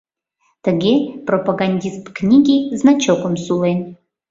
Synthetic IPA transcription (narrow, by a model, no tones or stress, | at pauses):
tʰəɡʲepropaɡanʲdʲistknʲiɡʲiznat͡ʃʰokʷʼʊmsulen